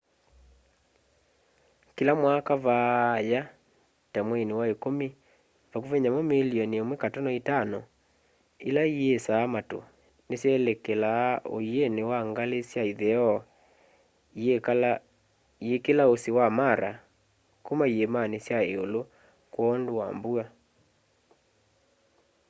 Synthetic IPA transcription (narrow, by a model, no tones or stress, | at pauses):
kilamwakavaja | tamwenewaekomi | vakuvɛɲamomeliɔniemwekatɔnɔitanɔ | ilaiesaːmato̰ | nesjɛlekelao̰ienewaŋɡalesjaiðɛɔ | iekelaosewamaɾa | komaiemanesjaeolo | kwɔːndowa̰mbua